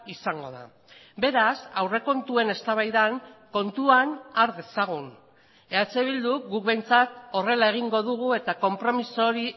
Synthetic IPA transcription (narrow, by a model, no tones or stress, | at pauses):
isaŋɡo̞ða̰ | be̞ɾasawre̞ko̞nt̪ue̞ne̞st̪aβajðaŋko̞nt̪uanaɾðe̞saɣ̞un | e̞at͡seβ̞ild̪uɡukβejnt͡sat̪o̞re̞lae̞ɣ̞iŋɡo̞ð̞uɣ̞ue̞t̪ako̞mpɾo̞miso̞ɾi